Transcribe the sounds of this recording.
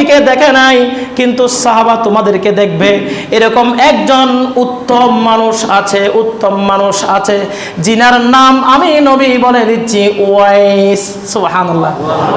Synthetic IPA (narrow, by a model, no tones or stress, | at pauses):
iked̪ɛkʰenajkint̪usaɦabat̪omad̪eɾked̪ek̚ʰbeeɾɔkomɛkd͡ʑonut̪ːomːanuʃat͡ɕʰeʔut̪ːomːanuʃat͡ɕʰe | d͡ʑinaɾnamaminobibɔleniɕʰiuaes | subhanalːa